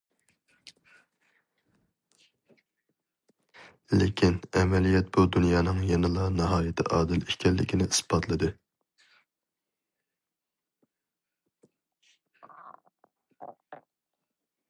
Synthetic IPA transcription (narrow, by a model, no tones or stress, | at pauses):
lɪkʲʰinɛmɛlijɛt̪̚bud̪unjɑːnɨŋjɛnɨlˠɑnɨɦɑːjɪt̪ʰɪ̰ʔɑːd̪ɨliʃkʲʰɛlːɪ̰kʲʰinɪʔisbɑt̪ʰlˠɨd̪ɨ